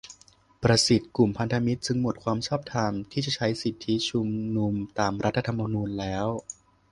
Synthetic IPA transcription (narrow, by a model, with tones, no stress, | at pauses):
pɾa˧si˨˩t̪̚ku˨˩mpʰa˧nt̪ʰa˧mi˦˥t̪̚t͡ɕɯ˧ŋmo˨˩t̪̚kʰwaː˧msaː˥˩p̚t̪ʰaː˧nt̪ʰiː˥˩t͡ɕa˨˩t͡ɕʰa˦˥jsi˨˩t̪ʰːi˦˥t͡ɕʰu˧mnu˧mt̪aː˧mɾa˦˥t̪ʰːa˧t̪ʰa˧mːa˧nuː˧nlɛː˦˥w